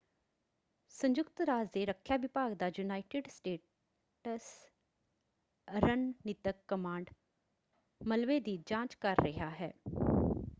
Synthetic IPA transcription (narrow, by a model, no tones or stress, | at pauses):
sə̃ɲd͡ʒʊkt̪ɾaːd͡ʒd̪eɾəkʰːjaʋɪpaːɡd̪aːjunaːɪʈɪɖsʈeː | ʈəs | ɾənnɪt̪əkːəmãːɳɖ | məlʋed̪id͡ʒãːt͡ʃkəɾːəɦaɦɛ̰ː